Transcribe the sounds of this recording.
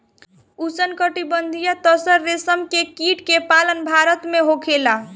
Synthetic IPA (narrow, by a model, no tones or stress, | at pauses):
usənkəʈibənd̪ʱijat̪əsəɾːesəmkekiʈkepalənbʱaɾət̪meɦokʰela